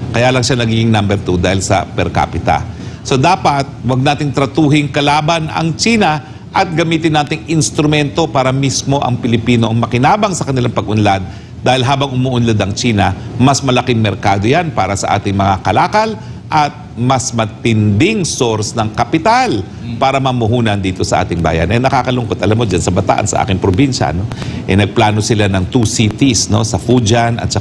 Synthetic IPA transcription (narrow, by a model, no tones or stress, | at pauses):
kɐjaːlɐŋʃanɐɡiːɡɪŋnambɛɾt̪ud̪aːhɪlsɐ̰pɛɾka̰pɪt̪ɐ̰so̞d̪aːpɐt̪̚wɐɡ̚naːt̪ɪŋt̪ɾɐt̪uːɦɪŋkɐlaːbɐnɐ̰ŋt͡ʃiːnɐ | ʔɐt̪̚ɡɐmiːt̪ɪnːaːt̪ɪŋɪnst̪ɾʊmɛnt̪o̞paːɾɐmismo̞ʔɐ̰ŋpɪlɪpiːno̞ʔɐŋmɐkɪnaːbɐŋsɐkɐnɪlaŋpɐɡʔʊnlad̪̚ | d̪aːhɪlɦaːbɐŋʔʊmuʔʊnlod̪ɐŋt͡ʃiːnɐmɐsmɐlɐkɪŋmɛɾkaːd̪o̞janpaːɾɐsɐ̰ʔa̰ːt̪ɪŋmɐŋakɐlaːkɐl | ʔɐt̪̚mɐsmɐt̪ɪnd̪ɪŋsoɾsnɐŋkɐpɪt̪al | paːɾɐmɐmʊɦuːnɐnd̪iːt̪o̞sɐʔa̰ːt̪ɪŋba̰ːjɐ̰nʔɛnɐkaːkɐlʊŋkot̪ʔɐlamːod͡ʒansɐbɐt̪a̰ʔɐ̰nsɐʔa̰ːkɪŋpɾobinʃɐ̰no̞ʔɛ̰nɐɡ̚plaːno̞sɪlanɐŋt̪usit̪isno̞̰sɐfud͡ʒɐnʔɐ̰t̪̚t͡ʃɐ